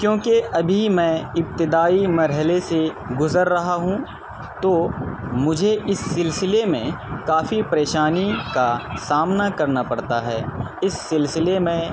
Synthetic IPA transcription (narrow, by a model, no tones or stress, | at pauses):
kjõːkeʔɐbʱimɛ̃ːɪp̚t̪ɪd̪aːimɐɾɦəlese | ɡʊzəɾːɐɦaɦũ | t̪oːmʊd͡ʒʱeʔɪsːɪlsɪlemẽkaːfipɾeːʃaːnikasaːmnakɐɾnapɐɽt̪aɦɛ̰ː | ɪsːɪlsɪlemẽ